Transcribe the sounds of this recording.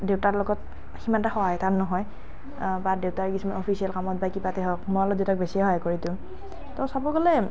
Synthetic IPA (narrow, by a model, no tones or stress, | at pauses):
deʊtaɹlɔɡɔt̚ | ximantaxɔwajtaɹnɔɦɔj | badeʊtaɹkisumanɔpʰisiɛlkamɔt̚bajkibatɛɦɔkmɔalɔdetak̚besijaɦajkoɹitʊ̃ | tɔsabɔɡɔlɛ